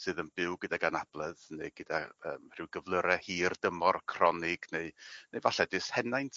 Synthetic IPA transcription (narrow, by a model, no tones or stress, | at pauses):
sɨːðənb̥ɪwɡədaɡanab̥lˠɛðneɨɡ̥ədaə̰ːmr̥ɨwɡəvlˠəɾɛhiːrd̥əmɔrkʰrɔnɪɡ̥neɨnejvaɬɛdɨshɛnajntʰ